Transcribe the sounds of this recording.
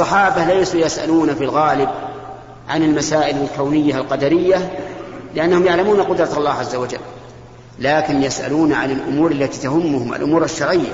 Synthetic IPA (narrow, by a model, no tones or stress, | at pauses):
sˤːɑħɑːbahlajsuːjasʔa̰luːnafilɣaːlɪb | ʕa̰nɪlmasaːʔɪlalkawnɪjːaalqɑd̪aɾɪjːa | lɪʔanːahʊmjaʕlamuːnaqʊd̪ɾˤɑt̪ɑlˤːɑːhʕazːawad͡ʒa̰lː | aːkɪnjasʔa̰luːnaʕanɪlʔʊ̰muːɾˤalːat̪iːt̪ahʊmːʊhʊma̰lʔʊmuːɾaʃːɑɾˤʕɪjːa̰